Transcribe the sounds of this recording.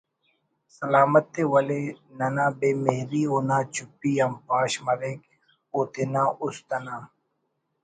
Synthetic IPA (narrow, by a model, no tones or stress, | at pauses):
sɐlaːmət̪ːeːwɐleːnɐnãːbeːmeɦɾiːoːnaːt͡ʃʊpːiːɐmpaːʃmɐɾẽːk | oːt̪enãːʔʊst̪ɐnãː